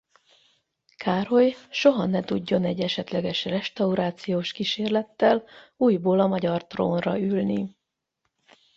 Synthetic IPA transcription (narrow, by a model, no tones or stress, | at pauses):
kʰaːɾo̞jʃo̞ɦɒnɛt̪uɟːo̞nɛɟːɛʃɛt̪lɛɡɛʃrɛʃt̪ɒuɾaːt̪sijoːʃkiʃeːrlɛt̪ːɛluːjboːlɒmɒɟɒrt̪roːnrɒylni